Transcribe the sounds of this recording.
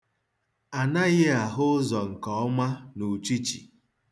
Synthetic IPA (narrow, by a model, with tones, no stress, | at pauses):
a˨na˦ɣɪ˦a˨ɦʊ˦zɔ˨ŋ̩˨kɔ˨˦ɔ˦ma˦nu˨t͡ʃi˦t͡ʃḭ˨